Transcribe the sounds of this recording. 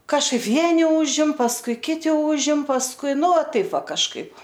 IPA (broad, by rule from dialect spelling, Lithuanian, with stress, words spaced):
kɐʃˈkɐɪp ˈʋʲiɛnʲɪ ˈuːʒʲɪm pɐsˈkʊɪ ˈkʲɪtʲɪ ˈuːʒʲɪm pɐsˈkʊɪ ˈnʊ ˈʋɐ tɐɪp ˈʋɐ kɐʃˈkɐɪp